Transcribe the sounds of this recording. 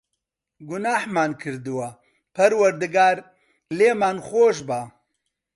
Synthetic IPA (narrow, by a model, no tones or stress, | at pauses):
ɡʊnaːhmaːnkʰɨɾd̪ɨwɐ | pʰɐɾwɐɾd̪ɨɡaːɾ | leːmaːnχoːʃba